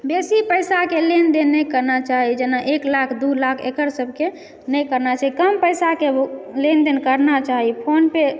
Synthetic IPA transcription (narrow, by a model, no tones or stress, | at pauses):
besipəjsakelend̪enːəjkəɾnat͡ʃaɦid͡ʒenaʔeklakʰd̪ulakʰḛkəɾsəbʱke | nəjkəɾnat͡ʃaɦikəmpəjsakelend̪enkəɾnat͡ʃaɦipʰonpe